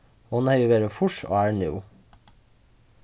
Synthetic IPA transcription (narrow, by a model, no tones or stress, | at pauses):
hʊnhœʏʊʋeːɾəfʊʂo̰ːæːɳʉ̰ː